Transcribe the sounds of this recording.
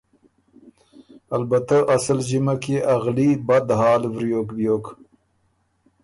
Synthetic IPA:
albat̪aʔasəld͡ʒimakeʔaɣlibad̪ɦɑːlvɾjoːkbjoːk

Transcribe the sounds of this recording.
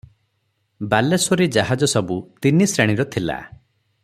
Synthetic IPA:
balesoɾid͡ʒaɦad͡ʒɔsɔbut̪inisɾeɽ̃iɾɔt̪ʰila̰

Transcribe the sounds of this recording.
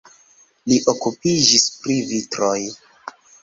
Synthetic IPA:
liʔokupid͡ʒispɾivitɾoj

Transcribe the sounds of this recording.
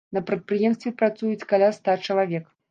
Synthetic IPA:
nɐpɾɐt̪̚pɾɨjɛmst̪vʲɛpɾat̪sujut͡sʲkalʲast̪at͡ʂɐlˠavʲɛk

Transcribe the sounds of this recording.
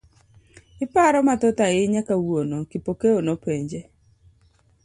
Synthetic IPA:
ɪpaɾɔmatɔtaɪɲakawwonokipokeonopeɲd͡ʒe

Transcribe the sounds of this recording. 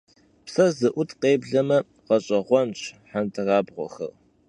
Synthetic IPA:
psɐzɨʔʷʊtʰqeːbɮɐmɐ | qɐɕʼɐʁʷɔnɕʰħantʰɨraːbʁʷɔ̰xɐ̰r

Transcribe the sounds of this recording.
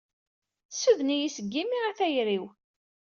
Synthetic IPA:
suðnijisəɡːimiʁæθæjɾiw

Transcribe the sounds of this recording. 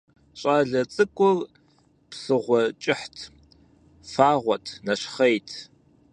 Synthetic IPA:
ɕʼaɮɐt͡sʼɨkʷʼʊr | psɨʁʷɔt͡ʃʼɪħtʰ | faːʁʷɔtʰnɐɕχɐjtʰ

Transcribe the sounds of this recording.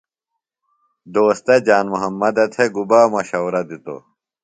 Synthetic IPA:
d̪oːst̪ed͡ʑaːnmuɦɐmːɐd̪et̪ʰeɡubaːmɐɕɐwɾɐd̪it̪o̰

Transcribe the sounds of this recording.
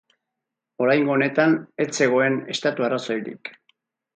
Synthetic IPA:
o̞ɾajŋɡo̞ːne̞t̪ane̞t͡se̞ɣ̞o̞e̞ne̞st̪at̪uaraso̞jɾḭk

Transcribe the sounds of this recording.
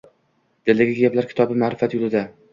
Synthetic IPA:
d̪̥elɪɡʲɪɡʲablaɾkʲɪ̥t̪ʰɒbɪmaːɾɪfat̪jʊlˠɪd̪a

